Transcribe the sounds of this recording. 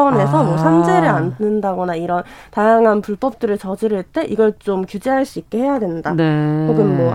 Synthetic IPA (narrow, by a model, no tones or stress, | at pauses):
ʌne̞sʰʌmwʌsʰand͡ʑe̞ɾɯɭanːɯndaɡʌnaiɾʌntajaŋɦanpuɭp͈ʌp̚t͈ɯɾɯɭt͡ɕʌd͡ʑiɾɯɭt͈e̞ʔiɡʌɭt͡ɕomkjud͡ʑeɦaɭs͈uik̚k͈e̞he̞jadwe̞ndanpoɡɯnmwʌ